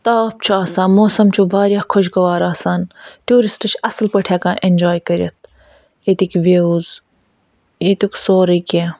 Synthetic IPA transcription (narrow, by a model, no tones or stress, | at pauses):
t̪aːp̚t͡ʃʰuaːsãːmoːsɐmt͡ʃʰuʋaːɾʲjahkʰoʃ̬ɡɐʋaːɾaːsaːnt̪juːɾisʈɐt͡ʃʰɐslpɐʈʰaːkãːʔend͡ʒaːjkɐɾʲjɐt̪̚ʰ | et̪ikʋeːuz | et̪uksoːɾəkʲeː